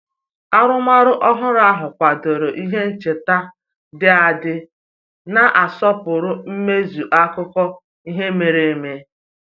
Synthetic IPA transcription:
a˦ɾʊ˦ma˦ɾʊ˦ʔɔ˦ɦʊ˦ɾa˦ɦʊ˨kʷa˨do˨ɾo˨ʔi˦ɦe˦n̩˦t͡ʃe˨ta˦ | dɪ˦a˨dɪ˦ | na˦ʔa˨sɔ˦pʊ˨ɾʊ˦m̩˦me˦zu˨ʔa˦kʊ˦kɔ˦ | i˦ɦe˦me˨ɾe˨e˨me˦

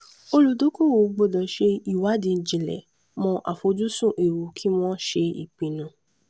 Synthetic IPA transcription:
o˧lu˨˧do˦ko˦˨wo˨˦ɡ͡bo˧˨dɔ̃˨ʃe˧i˦˨wa˨˦dĩ˧n̩˨d͡ʒĩ˨lɛ̰˨ | mɔ̃˧ʔa̰˨fo˨˧d͡ʒu˦sũ˦˨ʔe˨wu˨kʰi˦w̃ɔ̃˦ʃe˧ḭ˦˨k͡pĩ˨nũ˧

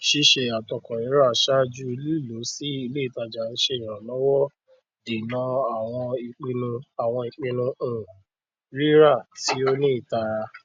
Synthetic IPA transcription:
ʃi˧ʃe˧a˨tɔ˨kɔ̃˨i˨˦ɾa˦˨ʃa˦d͡ʒu˦i˧˦lu˦˨lo˨˦si˦i˧le˦i˨ta˧d͡ʒa˨ñ̩˦ʃe˧ĩ˨ɾ̃ã˨lɔ˦wɔ˦ | de˨nã˨˧˦a˦˨w̃ɔ̃˧i˧k͡pĩ˧nũ˧a˨w̃ɔ̃˧i˧k͡pĩ˧nũ˧ũ˨ | ɾi˦ɾa˦˨ti˨˦o˦nĩ˦i˦˨ta˧˨ɾa˧

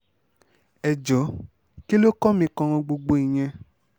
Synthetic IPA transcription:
ɛ˨d͡ʒɔ˨˦ | ki˦lo˦kɔ˦mĩ˧kɔ̃˧w̃ɔ̃˧ɡ͡bo˧ɡ͡bo˧i˨ɲ̃ɛ̃˧

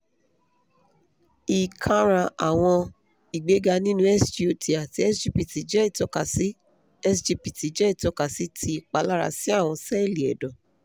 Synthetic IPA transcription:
i˨kʰã˧ɾ̃ã˧a˨w̃ɔ̃˧ | i˨ɡ͡be˨˦ɡa˧nĩ˦nũ˦ɛ˦sti˦o˧˦ti˨a˨ti˧˦ɛ˦sd͡ʒi˦pi˨ti˨d͡ʒɛ˦i˦˨tɔ˨˧ka˨si˦ | ɛ˦sd͡ʒi˧pi˨ti˨d͡ʒɛ˦i˦˨tɔ˨˧ka˨si˨˦tʰi˧˨k͡pa˧˦la˦ɾa̰˧si˦a˦˨w̃ɔ̃˧sɛ˦i˦˨li˨ɛ̰˨dɔ̃˨

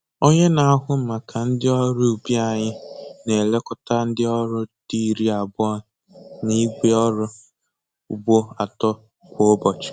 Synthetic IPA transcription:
o˦ɲe˦na˨˦ɦʊ˦m̩˦ma˨kʰa˨n̩˦dɪ˦ɔ˦ɾʊ˦u˨bi˦a˨ɲɪ˦ne˨le˦kɔ˦ta˦n̩˦dɪ˦ɔ˦ɾʊ˦di˦ɾi˦a˨bʊ˦ɔ˦ | ni˦ɡʷe˦ɔ˦ɾʊ˦ | u˨bo˦a˨tɔ˦ | kʷo˦bɔ˨t͡ʃɪ̥˨

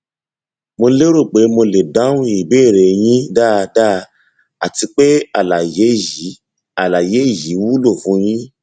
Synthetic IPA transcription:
mo˧le˦ɾo˦˨k͡pe˨˦mo˧le˨da˨˦ũ˦i˦˨beː˦˨ɾe˨j̃ĩ˦da˦˨da˦˨ | a˨ti˧k͡pe˦a˨la˨je˨˦ji˨˦ | a˨la˨je˨˦˨ji˨˦wu˦lo˦˨fũ˨˦j̃ĩ˦

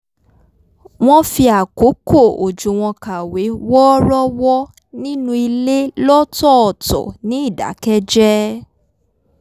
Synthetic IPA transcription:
w̃ɔ̃˦fi˧a˨ko˨˦ko˦˨o˨d͡ʒũ˨w̃ɔ̃˧ka˨we˨˦wɔ˦ɾɔ˦wɔ˦ | nĩ˦nũ˦i˧le˦lɔ˦tɔ˦ɔ˨tɔ̰˨nĩ˨˦i˦˨da̰˨˦kɛ˦d͡ʒɛ˦

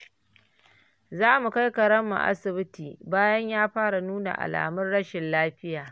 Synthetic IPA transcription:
zaː˦mu˨ka˦jkɐ˨ɽɐ˦mːṵ˨ʔa̰˦sɪ˨bɪ˦tiː˨baː˦jɐ˦ɲjaː˦ɸaː˦ɽa˨nuː˦na̰˨ʔa̰˨la̰ː˨mʊ˦rɽɐ˦ʃɪ˨nlaː˦ɸɪ˦jaː˨

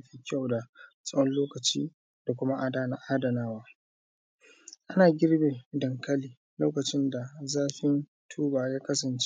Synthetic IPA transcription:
ɸiː˦kʲa˦˨wda˨ | sʼɐ˦wɐ˦nloː˦kɐ˨t͡ʃiː˦ | d̥a˨kʷʊ˦ma˦ʔa˦daː˦na˨ʔaː˦dɐ˨naː˦waː˦ | ʔa˦naː˨ɡʲɪ˦ɽbe˨dɐ˨ŋkɐ˦liː˨ | loː˦kɐ˨t͡ʃɪ˦nda˨zaː˦ɸɪ˦n | tʰuː˦baː˨jaː˦kɐ˦sɐ˨nt͡ʃe̥˦

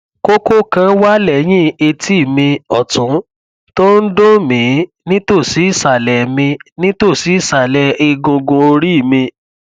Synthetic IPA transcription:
ko˦ko˦kã˧˦wa˦lɛ˨˦j̃ĩ˦˨e˧tʰi˦˨mĩ˧ɔ˨tũ˨˦ | to˦n̩˦do˦mĩ˨˦ | nĩ˦to˦˨si˨˦i˦˨sa˨lɛ˨mĩ˧nĩ˦to˦˨si˨˦i˦˨sa˨lɛ˨˦e˧ɡũ˧ɡũ˧o˧ɾi˦i˦˨mĩ˧

